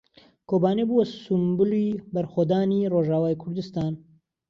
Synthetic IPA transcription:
kʰoːbaːnebuwɐsumbɨlibɐɾxod̪aːniːroːʒaːwaːjkʰʊɾd̪ɨst̪aːn

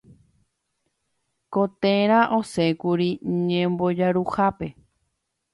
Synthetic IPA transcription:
kot̪ẽɾ̃ãʔosekuɾiɲẽmbod͡ʒaɾuhape̞

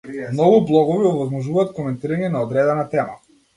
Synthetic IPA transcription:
nɔɡublˠɔɡɔviɔvɔzmɔʒuvaːt̪kɔmɛnt̪iɾaɲɛnaɔd̪ɾɛd̪ɛnat̪ɛma

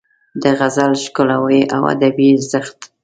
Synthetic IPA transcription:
d̪əɣazalʃkolawəja̰wa̰d̪abizəxt̪

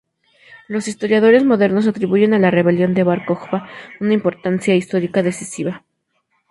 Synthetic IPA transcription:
lo̞sist̪o̞ɾjað̞o̞ɾe̞zmo̞ðe̞ɾno̞s̬at̪ɾiβuʝe̞nalare̞βe̞ljo̞nd̪e̞βaɾko̞xbaunaimpo̞ɾt̪ansjaist̪o̞ɾikaðe̞sisiβa

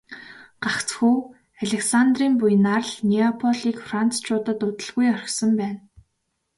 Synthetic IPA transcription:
ɢ̥akt͡sxuː | aɮʲeksant̪riːmpujnarɮniapʰɔɮiːkfran̥t͡st͡ɕʰʊːt̪ə̆t̪ʊt̪ə̆ɮɣujœr̆ʲxsə̆mpæːn

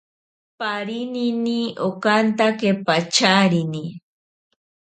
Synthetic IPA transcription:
paɾininiokant̪akepat͡ʃaɾini

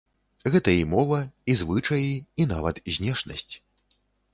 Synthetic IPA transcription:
ɣɛt̪ɐimɔvɐizvɨt͡ʂɐjiin̪a̰vɐt̪zʲnʲɛʂnɐ̰sʲt͡sʲ

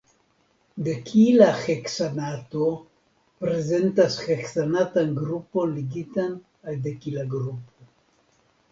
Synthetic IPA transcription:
d̪ekʰilaχeksanat̪o | pɾezent̪asχeksanat̪aŋɡɾuponliɡit̪an | ajd̪ekilaɡɾupo

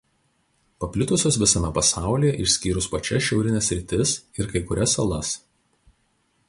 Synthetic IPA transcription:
pɐpʲlʲɪt̪ʊsʲoːsʋʲɪsɐmʲɛpɐsɑˑʊlʲiˑjɛʔɪʃʲsʲkʲiːɾʊspɐt͡ʃʲɛsʃʲɛʊɾʲɪnʲɛsʲɾʲɪt̪ʲɪsɪɾkɐɪkʊɾʲɛsɐlˠɐs

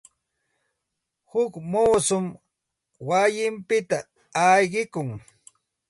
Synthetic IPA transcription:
hʊkmuːsʊm | wajɪmpɪt̪a | ajɢɪkʊŋ

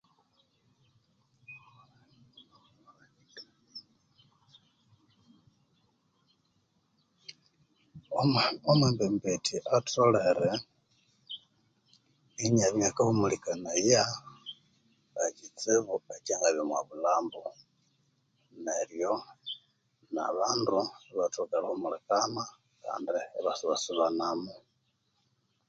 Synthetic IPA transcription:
omwembembetʰiʔatʰoleɾe | iɲaβɲakahumulikanaja | βakit͡seβuecaŋɡaβjomwa̰βulaːmbo | nerjo | na̰βaːnduβatukalahomulakana | ka̰ːndiβasuβasuβanamo

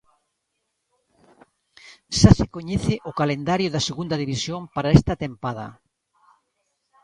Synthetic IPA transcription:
ʃasɪkoɲeθɪʔʊkalend̪aɾjʊðɐseɣund̪ɐðiβisjoŋpaɾaɛst̪ɐt̪empaðɐ̰

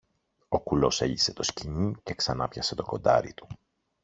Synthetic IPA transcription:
o̞kulo̞se̞̰ʎise̞t̪o̞sciɲice̞ksɐnɐpçɐse̞t̪o̞ko̞̰nd̪ɐ̰ɾḭt̪u̥

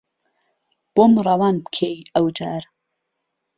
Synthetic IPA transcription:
b̥omrˤɑwaːnbkʰejɐwd͡ʒaːɾ

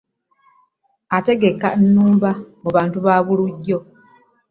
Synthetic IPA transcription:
ate̞ɡe̞kːanːuːmbamuβaːntuβaːβuluɟːo̞

